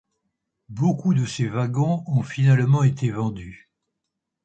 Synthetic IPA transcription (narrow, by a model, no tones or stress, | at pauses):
bokud̪əsevaɡɔ̃ɔ̃finalmɑ̃et̪ʰevɑ̃d̪y